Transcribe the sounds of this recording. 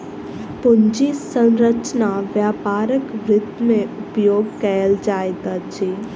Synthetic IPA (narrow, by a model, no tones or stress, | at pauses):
pʊnd͡ʒisə̃nɾət͡ʃnaʋjaːpaːɾəkʋɾɪd̪mẽʊpjoːɡ̚kɛəld͡ʒaːjt̪ad͡ʒiː